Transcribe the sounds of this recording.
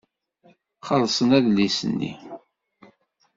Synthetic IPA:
χəlsˤənæðlːisə̰nːḭ

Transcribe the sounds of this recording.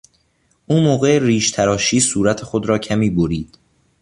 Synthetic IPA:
ʔuːmoːɣeriːʃt̪ʰæɾɒːʃiːsuːɾæt̪ʰexod̪ɾɒːcʰæmiːboɾiːd̪̥

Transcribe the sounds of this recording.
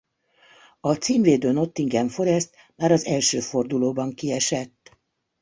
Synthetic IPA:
ɒt̪siːmveːd̪øːno̞t̪ːiŋɡɛɱfo̞ɾɛst̪ | maːɾɒzɛlʃøːfo̞rd̪uloːbɒŋkiɛʃɛt̪ː

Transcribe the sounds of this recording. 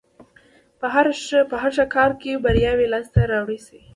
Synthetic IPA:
pɦaɾpəɦaɾʃakɑɾkebaɾjɑwilast̪aɾawɽisi

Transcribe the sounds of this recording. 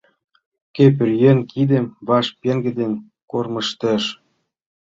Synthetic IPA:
kep̬ɘ̆rjĕnʲkʰid̪ĕmβɑʃpeŋɡĕd̪en | kormɤ̆ʃt̪ə̆ʃ

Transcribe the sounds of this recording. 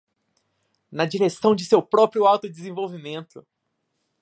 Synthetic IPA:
nɐd͡ʒiɾesɐ̃w̃d͡ʒɪsewpɾɔpɾjʊawt̪ʊd͡ʒɪzẽvowvimẽnt̪ʊ

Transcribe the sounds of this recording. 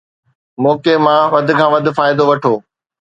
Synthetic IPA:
mɔːkemãʋɐd̪̆ʱkʰãːʋɐd̪ʱʊ̆faːɪd̪oʋɐʈʰoː

